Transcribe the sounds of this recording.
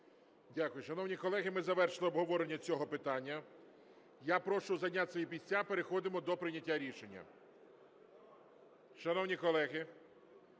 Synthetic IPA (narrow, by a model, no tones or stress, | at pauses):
dʲakʊjʊʃɐnɔwnʲikɔlˠɛɦɪmɪzɐʋɛrʃlˠɪɔbɦɔʋɔɾenʲːɐt͡sʲɔɦɔpɪt̪ɑnʲːɐ | japɾɔʃʊzɐdnʲasɔjipʲisʲt͡sʲapeɾexɔd̪ɪmɔd̪ɔpɾɪnʲɐtʲːaɾʲiʃenʲːɐ̰ | ʃɐnɔwnʲikɔlˠɛɦɪ